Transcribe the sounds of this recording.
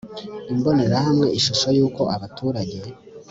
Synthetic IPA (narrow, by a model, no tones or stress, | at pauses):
imbo̞ne̞ɾahamŋe̞ʔiʃuʃojuːko̞ʔaβatʰuːɾaɟe̞